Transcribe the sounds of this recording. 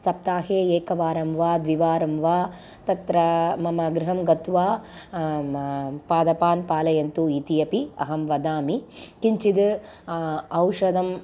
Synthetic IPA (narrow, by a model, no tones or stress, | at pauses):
sɐp̚t̪aːɦeːeːkɐʋaːɾɐmʋaːd̪ʋiʋaːɾɐmʋaː | t̪ɐt̪ɾɐmɐmɐɡɾɪɦɐmɡɐt̪ʋaː | paːd̪ɐpaːnpaːlɐjɐnt̪uit̪ijɐpiɐ̰ɦɐmʋɐd̪aːmikiɲt͡ʃid̪ | ɐwʂɐd̪ɐm